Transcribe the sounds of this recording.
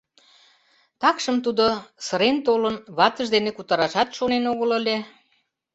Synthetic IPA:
t̪ɑkʃəmt̪ud̪osə̆ɾent̪olənβɑt̪ə̆ʒd̪enekut̪ɑɾɑʃɑt̪ʃonenoɣələlʲe

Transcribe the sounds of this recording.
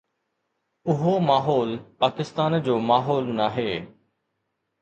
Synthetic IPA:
ʊɦomaːɦɔːlpaːkɪst̪aːnd͡ʑoːmaːɦɔːlnaːɦeː

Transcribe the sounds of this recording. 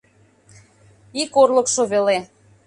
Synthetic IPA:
ikorləkʃoβele

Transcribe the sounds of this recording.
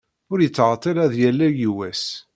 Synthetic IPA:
ʊɾjət͡sːʁɑt̪ˤːeɾæðjælːæjiwæs

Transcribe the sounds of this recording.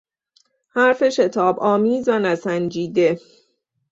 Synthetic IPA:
hæɾfe̞ʃe̞t̪ʰɒːbɒːmiːzvænæsænd͡ʒiːd̪e̞

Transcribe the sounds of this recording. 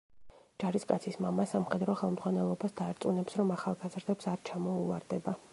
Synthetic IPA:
d͡ʒ̥aɾiskʼat̪sʰismamasamχɛd̪ɾɔχɛlˠmd̪zʁwanɛlˠɔbasd̪aːɾt̪sʼunɛpsɾɔmaχalˠɡazɾd̪ɛpsaɾt͡ʃʰamɔuaɾd̪ɛba

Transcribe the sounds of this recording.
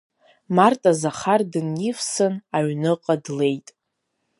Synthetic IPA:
martʼazaχardɨnjifsɨnaɥnɨqʼadle̞jtʼ

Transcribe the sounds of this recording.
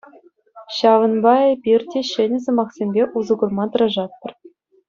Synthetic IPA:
ɕɑʋɤ̆nbɑebʲirʲdʲeɕɘ̆nʲɘ̆s̬ɤ̆mɑχsʲemʲbʲeʔuzɤ̆ɡɤ̆rmɑt̪ɤ̆ɾɑʐɑt̪ːɤ̆r

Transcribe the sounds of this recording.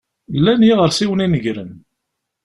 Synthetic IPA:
lːænjiʁəɾsiwəninəʝɾən

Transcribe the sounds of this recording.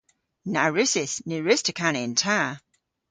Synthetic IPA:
naɹɪsɪsniɹɪstʰəkʰanɪntʰa

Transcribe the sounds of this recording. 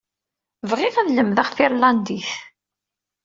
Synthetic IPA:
vʁɪʁæðləmðaχfiɾlɑnd̪iθ

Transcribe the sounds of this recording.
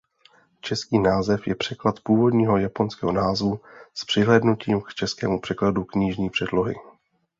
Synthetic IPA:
t͡ʃɛskiːnaːzɛfjɛpr̥ɛklat̪puːvo̞dɲiːɦo̞japo̞nskɛːɦo̞naːzvuspr̥ɪɦlɛːdnuciːmkt͡ʃɛskɛ̰ːmupr̥ɛkladukɲiːʒɲiːpr̝̥ɛdlo̞ɦɪ̰

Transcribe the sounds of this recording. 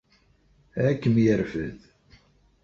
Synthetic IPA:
ækːəmjəɾfəð

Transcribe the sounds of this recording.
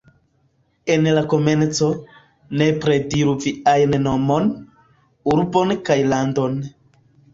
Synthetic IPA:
e̞nlako̞ment͡so̞ | ne̞pɾe̞diɾuviajnno̞mon | uɾbonkajlando̞n

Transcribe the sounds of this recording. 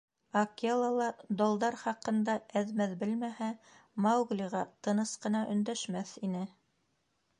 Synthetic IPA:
ɐkelˠɑlˠɑd̪olˠd̪ɑɾχɑqɤ̆nd̪ɑæðmæðbɘlmæhæ | mɑwɡlʲiʁɑt̪ɤ̆nɤsqɤ̆nɑʔɵ̆nd̪æʃmæθinɘ

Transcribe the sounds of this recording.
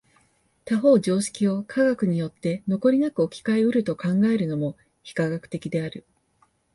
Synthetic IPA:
t̪aɦo̞ːd͡ʑo̞ːɕi̥kʲio̞kʰaɡakɯ̟ɲ̟ijo̞t̪ːe̞no̞ko̞ɾʲinakɯo̞kʲi̥kaeɯ̟ɾɯ̟t̪o̞kãŋɡae̞ɾɯ̟no̞mo̞ | çi̥kaɡakɯ̟̥t̪e̞kʲid̪e̞aɾɯ̟

